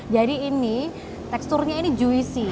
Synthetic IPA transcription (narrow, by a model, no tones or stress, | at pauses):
d͡ʒadiːni | t̪ɛkst̪ʊrɲainid͡ʒuisi